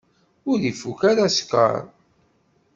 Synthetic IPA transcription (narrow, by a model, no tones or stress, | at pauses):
ʊɾðifukaɾaskə̰ɾ